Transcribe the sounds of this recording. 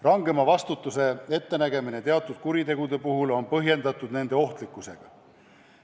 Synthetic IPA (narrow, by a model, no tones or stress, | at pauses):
rɑŋɡe̞mɑvɑst̪ut̪ːˑuse̞e̞t̪ːenæɡe̞mine̞t̪e̞ɑt̪ːˑud̪̥kuɾit̪e̞ɡ̥ud̪e̞puɦulo̞npɤɦje̞nd̪ɑt̪ːˑud̪̥ne̞nd̪e̞o̞ht̪likːˑuse̞̰ɡ̥ɑ